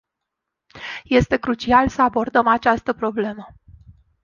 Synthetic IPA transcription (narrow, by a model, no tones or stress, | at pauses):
je̞st̪e̞kɾut͡ʃialsəabo̞rd̪əmat͡ʃast̪əpɾo̞ble̞mə